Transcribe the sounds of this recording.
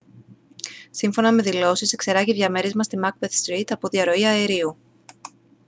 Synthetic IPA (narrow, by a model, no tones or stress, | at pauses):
siɱfo̞nɐme̞ðilo̞sise̞kse̞ɾɐʝiðʝɐme̞ɾe̞zmɐst̪imɐk̚beθst̪ɾit̪ɐpo̞ðiɐɾo̞iɐeɾiu